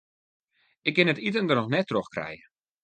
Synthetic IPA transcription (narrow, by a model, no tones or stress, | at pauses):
ɪk̚ːɪnətitəndərnɔxnɛtːroxkrɛ̰jə